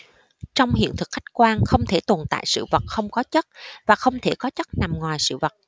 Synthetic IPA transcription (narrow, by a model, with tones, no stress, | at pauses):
t͡ɕɔ˧wŋ͡mhḭ˧˨ənt̪ʰɨ˨˩k̚xa˦˥jk̟̚kwaː˧nxə˧wŋ͡mt̪ʰe˧˩t̪o˨˩nt̪a̰ː˧˨jsɨ̰˧˨və˨˩t̚xə˧wŋ͡mkɔ˨˦t͡ɕə˦˥t̚vaː˨˩xə˧wŋ͡mt̪ʰe˧˩kɔ˨˦t͡ɕə˦˥t̚na˨˩mŋwaː˨˩jsɨ̰˧˨və˨˩t̚